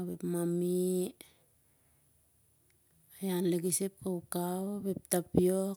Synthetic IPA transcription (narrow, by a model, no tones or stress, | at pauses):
bepmami | ajanleɡisepːawkawβep̚tapio